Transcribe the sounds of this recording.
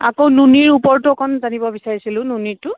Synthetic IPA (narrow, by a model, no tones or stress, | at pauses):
a̰kownuniɹupɔɹtukʰɔnzanibɔbisaɹisilʊ̃nunitʊ